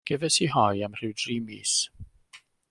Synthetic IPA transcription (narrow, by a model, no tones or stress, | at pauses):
ɡ̥ɛvɛsiɦɔjamr̥ɪwdriːmiːs